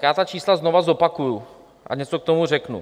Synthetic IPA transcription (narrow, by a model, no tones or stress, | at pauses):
jaːt̪at͡ʃiːslaznovazo̞pakuju | ʔa̰ɲɛt͡sokt̪o̞murɛknṵ